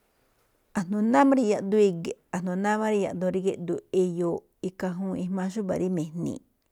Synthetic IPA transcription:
a˨nõ˧nã˦mã˦ɾi˧ja˧ʔd̪u˦i˧ɡe˨a˧˨nõ˧˨nã˦mã˦ɾi˧ja˧ʔd̪õ˧ɾi˧ɡe˧ʔd̪u˧e˧jo˧ | i˧ka˧ɦũ˦i˧mã˧ʃu˦βa̰˨ɾi˦mẽ˨nḭ̃˧

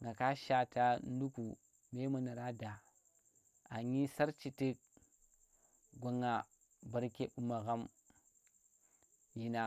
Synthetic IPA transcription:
ŋɡa˨ka˦ʃa˨ta˦n˦du˦ku˨ | me˦ma˨na˨ɾa˦da˨ | a˨ɲi˦sa˦ɾt͡ʃi˨ti˦k̚ | ɡʷa˨ŋa˨ | ba˨ɾke˦ɓu˦ma˨ɣa˦m | ji˨na˨

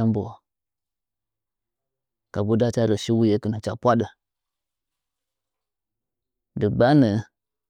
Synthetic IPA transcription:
a˦mbo˨ | ka˨bu˦da˦t͡ʃa˦ɾə˨ʃi˦wu˦je˦kə˨nə˨t͡ʃa˨pʷa˦ɗə˨ | də˨ɡ͡ba˦nə˨

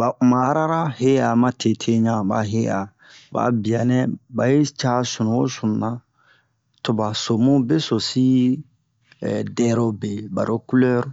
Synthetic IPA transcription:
ba˨ʔu˨ma˨˦ɾa˦ɾa˦he˦a˨mã˦tʰe˨tʰe˦ɲã˦ba̰˨ɦe˦a˨ | ba̰˨bi˨a˨nɛ̃˦ba˨je˦t͡ʃa˦sũ˨nũ˨wo˦sũ˨n˨nã˦ | to˨ba˨so˨mũ˦be˦so˨si˦˨ | dɛ˦ɾo˦be˨ba̰˨ɾo˦ku˦lɛ˦ɾ

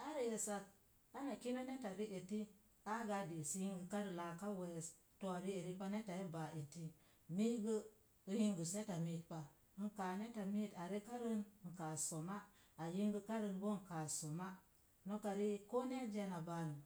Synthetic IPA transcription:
a˦ɾi˦je˨sa˦k̚ | a˦na˨ki˦na˦ne˦ta˨ɾi˦ʔe˨ti˦ | a˦ɡa˦di˨si˦ji˦ŋɡə˨ka˦ɾi˨la˨ka˦we˨s | to˨a˨ɾi˦e˨ɾi˦pa˦ne˦ta˨ji˦ba˨e˨ti˦ | mi˦ɡə˦ | u˦ji˦ŋɡu˨se˦ta˨mi˦t̚pa˨ | ŋ̩˨ka˨ne˦ta˨mi˦ta˨ɾi˦ka˦ɾi˦n˨ŋ̩˨ka˨so˨ma˦ | a˨ji˦ŋɡə˦ka˦ɾi˦˨nbo˦ŋ˨ka˨so˨ma˦ | no˦ka˨ɾi˦ko˦ne˦d͡ʒe˦na˨ba˨nu˨

